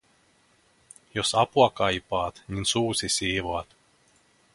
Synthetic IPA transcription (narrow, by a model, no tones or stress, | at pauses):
jɔsapuɔkaːjipaːt̪ɲʲinsuːt̪sʲisʲiːvuɔt̪